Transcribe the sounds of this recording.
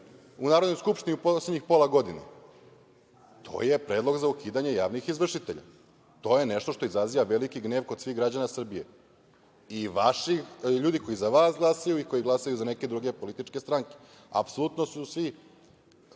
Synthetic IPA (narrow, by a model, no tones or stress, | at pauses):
unaːɾod̪nojskupʃt̪iniuposledɲixpo̞lˠaɡo̞d̪inḛ | t̪ʰo̞̰jepɾe̞ːd̪lo̞ɡzaukiːd̪aɲe̞jaːʋnixizʋr̩ʃit̪e̞ʎa̰ | t̪o̞ːje̞neʃt̪o̞ʃt̪o̞izɾazijaʋe̞likiɡne̞ːʋkod̪sʋiɣɡɾad͡ʑanasr̩bijḛ | iʋaʃiʎuːd̪ikʰo̞jizaʋaːsɡlˠasajuiko̞jiɡlˠasajuzane̞ke̞d̪ɾuɡepolit̪it͡ʃkest̪ɾaŋke̥ | a̰psolut̪nosusʋi